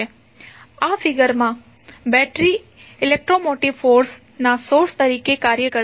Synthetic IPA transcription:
e | afiɡəɾmã | bɛʈɾi | ɪlek̚ʈɾomoʈiʋfoɾs | nasoɾst̪əɾikekaɾjəkə

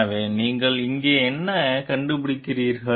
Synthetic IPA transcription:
ʋeːniːŋɡɐɭɪŋɡeːɛnːɐkɐɳɖɯpɪɽɪkːɪriːɾɣɐ

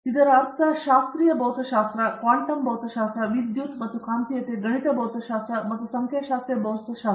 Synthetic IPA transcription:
t̪id̪əɾaɾt̪aɕast̪ɾijəbəwt̪əɕast̪ɾakaɳʈəmbʱəwt̪əɕast̪ɾaʋid̪jut̪mɐt̪ukant̪ijet̪eɡəɽ̃it̪əbəwt̪əɕast̪ɾamət̪usəŋkʰjaɕast̪ɾijəbəwt̪əɕa

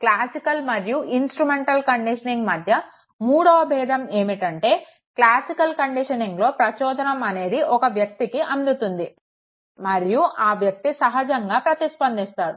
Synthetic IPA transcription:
klaːsikɐlmɐɾjuʔinsʈɾumeɳʈɐlkɐɳɖiʂɐniŋɡmɐd̪ʱjɐ | muːɽɐʋɐbʱɛːd̪ʱɐme̞ːmiʈɐɳʈe̞ː | klaːsikɐlkɐɳɖiʂɐniŋɡlo̞ːpɾɐt͡ʃɔːd̪ʱɐnɐmɐne̞ːd̪iʔɔkɐʋjɐk̚t̪ikiʔɐnd̪ut̪und̪i | mɐɾijuʔaːʋjɐk̚t̪isɐɦɐd͡ʒɐŋɡaːpɾɐt̪ispɐnd̪ist̪aːɾu

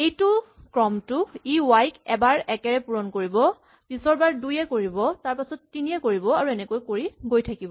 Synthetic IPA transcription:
ejtʊ | kɹɔmtʊiwajkɛbaɹɛkɛɹɛpuɹɔnkoɹibɔ | pisɔɹbaɹdujɛkoɹibɔtaɹpasɔtːinijɛkoɹibɔaɹuɛnɛkojkoɹiɡojtʰakibɔ

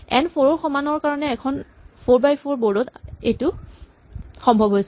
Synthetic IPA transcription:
ɛ̰npʰoɹɔɹxɔmanɔɹkaɹɔnɛːkʰɔnpʰoɹbajpʰoɹbɔɹdɔtejtʊ | xɔmbʱɔbɦojsɛ

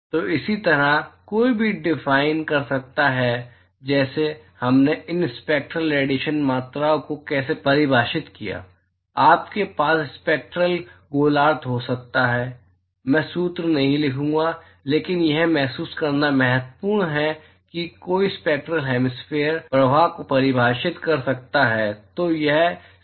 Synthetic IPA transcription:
t̪oːʔɪsit̪ɐɾakoːibʱiɖɪfaːɪnkɐɾsɐk̚t̪aɦɛ | d͡ʒɛːsehɐmneɪnspeːk̚ʈɾəlɛːɖiʃənmaːt̪ɾaõkokɛːsepɐɾɪbʱaːʃɪt̪kija̰ː | aːpkepaːsspeːk̚ʈɾəlɡoːlaːɾt̪ɦosɐk̚t̪aɦɛː | mɛ̃ːsuːt̪ɾnɐɦĩlɪkʰũːŋɡa | leːkɪnjɛɦmɛɦsuːskɐɾnamɛɦət̪puːɾɳɦɛ | kikoːispeːk̚ʈɾəlɦɛːmɪsfʰeːəɾpɾɐbʱakopɐɾɪbʱaːʃɪt̪kɐɾsɐk̚t̪aɦɛːt̪ojɛɦ

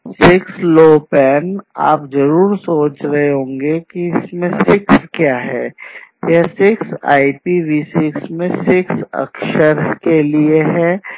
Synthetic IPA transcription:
sɪksloːpɛːna̰ːpzɐɾuːɾsoːt͡ʃɾɐɦeɦõːŋɡekiɪsmẽsɪkskjaːɦɛ̰ːjasɪksa̰ːipiːʋiːsɪksmẽsɪksɐ̰kʃəɾkelieɦɛː

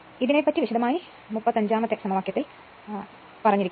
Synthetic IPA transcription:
iðinepːɐtːiʋiɕɐd̪ðɐmaːji | mupːɐðɐɲd͡ʑaːmɐt̪ːjɐksɐmɐʋaːkjɐt̪ːil | pɐrɐɲːiɾikʲː

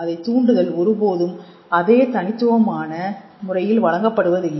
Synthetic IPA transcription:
ɐðɐɪt̪ːuːɳɖɯðɐlɔɾɯpoːðɯm | ɐðeːt̪ɐnɪt̪ːɯʋɐmaːnɐ | mʊrɐjɪlʋɐɻɐŋɡɐpːɐɽɯʋɐðɯ

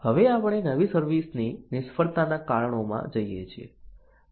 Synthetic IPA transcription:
həʋeapɽ̃enəʋisəɾʋisninɪʃfəɾt̪anakaɭəɳ̃omã̰d͡ʒəjet͡ʃʰḭḛ

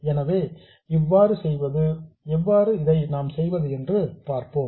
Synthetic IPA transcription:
ɛnɐʋeː | ɪʋːaːɾɯsɛjʋɐðɯɛʋːaːɾɯɪðɐɪnaːmsɛjʋɐðɯɛndrɯpaːɾpoːm

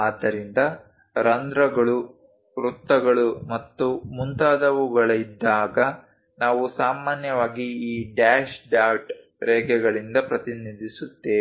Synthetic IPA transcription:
aːd̪ːɐɾind̪ɐ | ɾɐnd̪ɾɐɡɐɭu | ɾut̪ːɐɡɐɭumɐt̪ːumunt̪aːd̪ɐʋuɡɐɭɐid̪ːaːɡɐ | naːʋusaːmaːnjɐʋaːɡiiːɖaːʃɖaːʈ | ɾɛːɡɛɡɐɭind̪ɐpɾɐt̪inid̪ʱisut̪ːeː

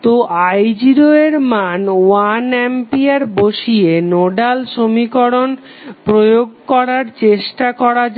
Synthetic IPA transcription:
t̪oʔajd͡ʑiɾoeɾmanwanɛmpiaɾboʃienoɖalʃomikoɽon | pɾojoɡ̚kɔɾaɾt͡ɕeʃʈakɔɾad͡ʑ

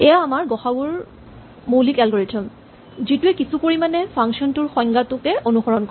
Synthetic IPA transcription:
ɛjaːmaɹɡɔxabuɹ | molikɛlɡɔɹetʰɔm | zituɛkisupoɹimanɛpʰaŋksiɔntʊɹxɔjŋɡatʊkɛonuxɔɹɔnkɔ

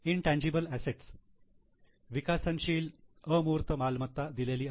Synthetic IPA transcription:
inʈæ̃ɲd͡ʑibəlæseʈs | ʋikasənɕiːləmuːɾt̪əmalmət̪ːad̪ileliː

